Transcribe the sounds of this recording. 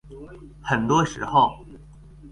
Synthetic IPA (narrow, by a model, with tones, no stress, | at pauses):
xə˨˩nt̪wɔ˥ʂɻ̩˧˥xo˥˩ʊ